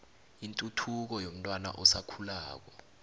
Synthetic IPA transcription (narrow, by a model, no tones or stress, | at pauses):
intʼutʰuk̬ɔjom̩tʼwana̰ʔɔsakʰulaːk̬wɔ